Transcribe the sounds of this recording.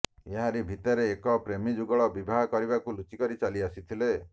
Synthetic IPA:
eɦaɾibʱit̪ɔɾeːkɔpɾemid͡ʒuɡɔɭɔbibʱaɦɔkɔɾibakulut͡ʃikɔɾit͡ʃaliasit̪ʰile

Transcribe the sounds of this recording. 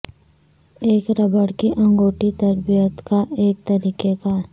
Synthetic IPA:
eːkɾɐbəɽkiʔɐ̃ŋɡoːʈit̪ɐɾbijət̪kaʔeːk̚t̪ɐɾiːkekaːɾ

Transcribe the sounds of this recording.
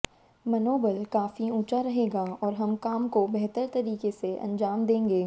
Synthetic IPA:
mɐnoːbəlkaːfiũːt͡ʃaɾɐɦeːɡaɔːɾɦɐmkaːmkobɛɦt̪əɾt̪ɐɾiːkeseʔɐ̰̃nd͡ʒaːmd̪ẽːŋɡeː

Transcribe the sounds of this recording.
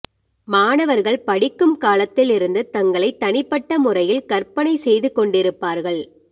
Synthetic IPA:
maːnɐʋɐɾɣɐɭpɐɽɪkːɯmkaːlɐt̪ːɪlɪɾɯnd̪ɯt̪ːɐŋɡɐɭɐɪt̪ːɐɳɪpːɐʈːɐmʊrɐjɪlkɐɾpɐɳɐɪsɛjðɯkːɔɳɖɪɾɯpːaːɾɣɐɭ

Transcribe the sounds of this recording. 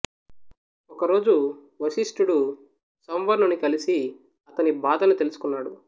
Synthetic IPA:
ɔkɐɾo̞ːd͡ʒu | ʋɐsisʈuɽu | sɐmʋɐɾnunːikɐlisi | ɐt̪ɐnibaːd̪ɐnut̪e̞lusu̥kunːaːɽu

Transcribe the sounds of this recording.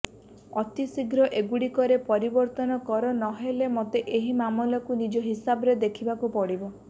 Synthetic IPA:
ɔt̪isiɡɾɔʔeɡuɽikɔɾepɔɾibɔɾt̪ɔnɔkɔɾɔnɔɦelemot̪eʔeɦimamɔlɔkunid͡ʒɔɦisabɔɾed̪ekʰibakupɔɽibɔ

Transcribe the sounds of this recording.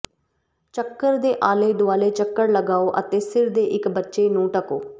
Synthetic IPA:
t͡ʃəkːəɾd̪eːʔaːleːd̪ʊaːleːt͡ʃəkːəɽləɡaːoːʔət̪eːsɪɾd̪eːʔɪkbətːʃeːnũːʈəkoː

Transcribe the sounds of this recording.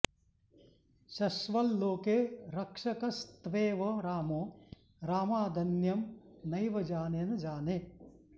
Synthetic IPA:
ʃɐʃʋɐlːoːkeːɾɐkʂɐkɐst̪ʋeːʋɐɾaːmoː | ɾaːmaːd̪ʱɐnjɐmnɐjʋɐd͡ʒaːnenɐd͡ʒaːneː

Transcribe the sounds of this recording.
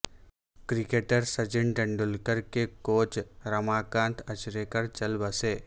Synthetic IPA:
kɾɪkeːʈəɾsɐd͡ʒɪɳɖɐ̃ɳɖʊlkəɾkekoːt͡ʃɾɐmaːkãːnt̪ʰɐt͡ʃɾeːkɐɾt͡ʃɐlbəseː

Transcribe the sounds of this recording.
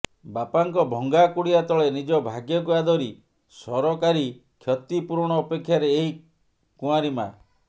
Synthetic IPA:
bapaŋkɔbʱɔŋɡakuɽiat̪ɔɭenid͡ʒɔbʱaɡjɔk̬uad̪ɔɾi | sɔɾɔkaɾi | kʰjɔt̪ipuɾɽ̃ɔːpekʰːjaɾeːɦi | kũaɾima̰

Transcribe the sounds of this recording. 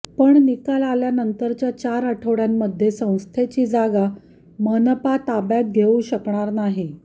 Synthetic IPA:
pəɳnikalaljanənt̪əɾt͡ɕjat͡ɕaɾaʈʰəʋɽjamːəd̪ʱːjesə̃w̃st̪ʰet͡ɕiːd͡zaɡa | mənəpat̪abjak̚ɡʱeũɕəkɳaɾnaɦi

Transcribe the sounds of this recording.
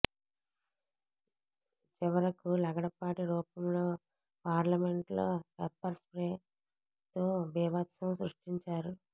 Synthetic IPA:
t͡ʃiʋɐɾɐkulɐɡɐɽɐpaːʈiɾuːpɐmlo̞ː | paːɾlɐme̞ɳʈlo̰ːpepːɐɾspɾeː | t̪oːbɛːʋɐt̪sɐmsɾuʂʈiɲt͡ʃaːɾu

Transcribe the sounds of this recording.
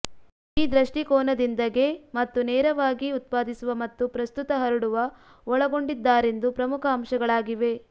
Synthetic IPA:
iːd̪ɾɐʂʈikɔːnɐd̪ind̪ɐɡe̞mɐt̪ːunɛːɾɐʋaːɡiut̪̚paːd̪isuʋɐmɐt̪ːupɾɐst̪ut̪ɐɦɐɾuɽuʋɐ | ɔɭɐɡo̞ɳɖid̪ːaːɾe̞nd̪upɾɐmukʰɐːmʂɐɡɐɭaːɡiʋe̞

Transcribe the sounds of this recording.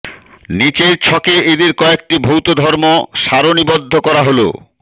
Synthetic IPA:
nit͡ɕeɾt͡ɕʰɔkeʔed̪eɾkɔek̚ʈibʱowt̪od̪ʱɔɾmoʃaɾonibod̪ʱːokɔɾaɦolo̰

